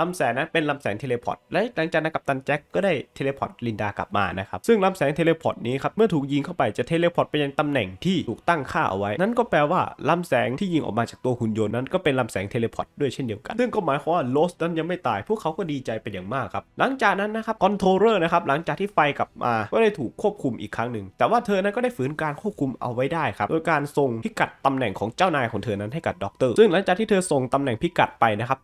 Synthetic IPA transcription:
la˧msɛː˨˦ŋna˦˥npe˧nla˧msɛː˩˦ŋt̪e˧leː˧pʰɔ̰˨˩˦t̪̚lɛ˦˥la˨˩˦ŋt͡ɕaː˨˩na˦˥kʰa˨˩t̪a˧nt͡ɕɛ˦˥kːɔː˥˩daː˥˩jt̪ʰe˧leː˧pʰɔ̰˨˩t̪̚li˧ndaː˧kla̰˨˩p̚ma̰ː˧na˦˥kʰa˦˥p̚sɯ˥˩ŋla˧msɛː˩˦ŋt̪ʰeː˧leː˧pʰɔ̰˨˩t̪̚niː˦˥kʰa˦˥p̚mɯ˥˩ɐt̪ʰuː˨˩k̚ji˧ŋkʰa˥˩wpa˧jt͡ɕa˨˩t̪ʰeː˧leː˧pʰɔ˨˩t̚pa˧nja˧ŋt̪a˧mnɛ˨˩ŋt̪ʰiː˥˩uː˨˩k̚t̪a˥˩ŋkʰaː˥˩ʔa̰˧wa˦˥jna˦˥nkɔː˥˩pɛː˧waː˥˩la˧msɛː˩˦ŋt̪ʰiː˥˩ji˧ŋʔɔ̰ː˨˩maː˧t͡ɕaː˨˩k̚t̪u˧ɐhu˧njo˧nːa˦˥nkɔː˥˩pe˧nla˧msɛː˩˦ŋt̪ʰeː˧leː˧pʰɔ̰˨˩t̪̚du˥˩əjt͡ɕʰe˥˩ndi˧əwka̰˧nsɯ˥˩ŋkɔː˥˩maː˩˦jkʰaː˧waː˥˩loː˦˥sna˦˥nja˧ŋma˥˩jt̪aː˨˩jpʰu˥˩kʰːa˦˥wkɔː˥˩diː˧t͡ɕa˧jpa˧njaː˨˩ŋmaː˥˩kʰːa˦˥p̚la˨˦ŋt͡ɕaː˨˩k̚na˦˥nːa˦˥kʰa˦˥p̚kɔ˧nt̪ʰoː˧ɾɤː˥˩n˦˥kʰa˦˥p̚la˨˩˦ŋt͡ɕaː˨˩k̚t̪ʰiː˥˩fa˧jkla˨˩p̚mʔa̰ː˧kɔː˥˩da˥˩jt̪ʰuː˨˩kʰːu˥˩əp̚kʰu˧mʔḭː˨˩kʰːa˦˥ŋnɯ˨˩ŋt̪ɛː˨˩waː˥˩t̪ʰɤː˧na˦˥nkɔː˥˩da˥˩jfɯː˩˦nkaː˧nkʰu˥˩əp̚kʰu˧mʔa̰˧wːa˦˥jdaː˥˩jkʰa˦˥pdo̰ː˧jkaː˧nso˨ŋʰi˦˥ka˨˩t̪ːa˧mnɛ˨˩ŋkʰɔː˩˦ŋt͡ɕaː˥˩wnaː˧jkʰɔː˩˦ŋt̪ʰɤː˧na˦˥nɦa˥˩jka˨˩p̚dɔː˦˥k̚t̪ɤː˥˩sɯ˥˩ŋla˨˦ŋt͡ɕaː˨˩k̚t̪ʰiː˥˩t̪ʰːso˨˩ŋt̪a˧mnɛ˨˩ŋpʰi˦ka˨˩t̪̚pa˧jna˦˥kʰa˦˥p̚

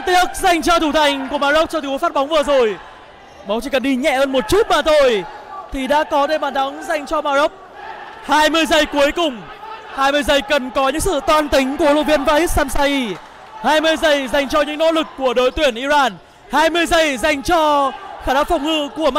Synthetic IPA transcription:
t̪i˦˥ək̚za˨˩jŋ̟t͡ɕɔ˧t̪ʰu˧˩t̪ʰa˨˩jŋ̟ku˧˩əmaː˧zo˦˥k͡p̚t͡ɕɔ˧t̪ːfa˦˥t̚ɓa˨˦wŋ͡mvɨ˨˩əzo˨˩j | ɓa˨˦ŋ͡mt͡ɕḭ˧˩kə˨˩nɗi˧ɲɛ̰˧˨həː˧nmo˨˩t̚t͡ɕu˦˥t̚maː˨˩t̪ʰo˧jt̪ʰi˨˩ɗa̰ː˧˥kɔ˨˦ɗe˧˩maː˨˩nɗa˨˦ŋza˨˩jŋ̟t͡ɕɔ˧maː˧zə˦˥p̚haː˧jmɨ˧əjzə˧˩jku˨˦əjkʊ˨˩ŋ͡m | haː˧jmɨ˧əjzə˧˩jkə˨˩nkɔ˨˦ɲɨ̰˧˥ŋsɨ̰˧˨t̪waː˧nt̪ï˨˦ŋ̟ku˧˩əlṵ˧˨vi˧ənvaː˧hi˦˥t̚saː˧msaː˧ʔi˧ | haː˧jmɨ˧əjzə˧˩jza˨˩jŋ̟t͡ɕɔ˧ɲɨ̰˧˥ŋno̰˧˥lɨ˨˩kːu˧˩əɗo˧˨jt̪wi˧˩ənʔi˧zaː˧n | haː˧jmɨ˧əjzə˧˩jza˨˩jŋ̟t͡ɕɔ˧xaː˧˩naː˧˥w̚fa˨˩wŋ͡mŋɨ̰˧˨ku˧˩əm˧

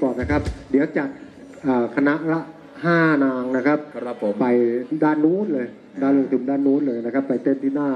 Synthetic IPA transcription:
kɔː˨˩nna˦˥kʰa˦˥p̚di˨˦əwt͡ɕa˨˩t̪̚ | ʔəː˨˩kʰa˧na˦˥ʔɾa˦˥ | haː˥˩naː˧ŋna˦˥kʰa˦˥p̚pa˨˧jdaː˧˩nːuː˦˥nlɤː˧j | daː˧˩nloː˧˩ŋt̪ʰu˩˦ndaː˧˩nːuː˦˥nlɤː˧jna˦˥kʰa˦˥pːa˨˩jt̪e˧˥˩mt̪ʰiː˥˩naː˥˩

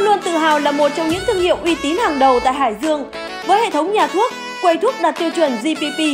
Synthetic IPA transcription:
lu˧ənt̪ɨ̰˧˨ɦaː˨˩wlaː˨˩mo˨˩t̚t͡ɕɔ˧wŋ͡mɲɨ̰˧˥ŋt̪ʰɨ˧əŋhḭ˧˨əwʔi˧t̪i˨˦nhaː˨˩ŋɗə˨˩wt̪a̰ː˧˨jɦaː˧˩jzɨ˧əŋ | vəː˨˦jhḛ˧˨t̪ə˨˦wŋ͡mɲaː˨˩t̪ʰu˦˥ət̚ | kwə˧jt̪ʰu˦˥ək̚ɗaː˨˩t̚t̪i˧wt͡ɕwə˨˩nzi˧pi˧pi˧

